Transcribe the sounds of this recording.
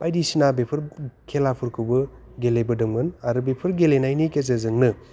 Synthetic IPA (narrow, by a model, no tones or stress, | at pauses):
pajdisinabepʰɯɾkʰelapʰɯɾkʰɯbɯ | ɡelebɯdɐŋmɯnaɾubepʰɯɾɡelenajnikezɐzɯŋnɯ